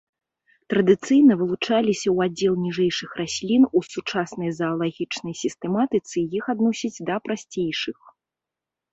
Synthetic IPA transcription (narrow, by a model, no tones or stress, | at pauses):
t̪ɾɐd̪ɨt̪sɨjnɐvɨlˠut͡ʂalʲisʲɐwad͡zʲːɛlˠnʲiʐɛjʂɨxrasʲlʲinusut͡ʂasnɐjzɐːlˠaɣʲit͡ʂnɐjsʲist̪ɛmat̪ɨt̪sɨjixad̪nɔsʲid͡zʲd̪ɐpɾasʲt͡sʲejʂɨx